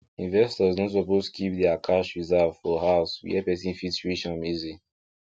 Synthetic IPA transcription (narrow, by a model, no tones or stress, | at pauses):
ĩnvɛstɔznɔts̬ɔpostu̥kʰipdɛakʰaʃɹizɛvfɔhaʊswḭɛpɛsĩnfitsɹiʃãnmizi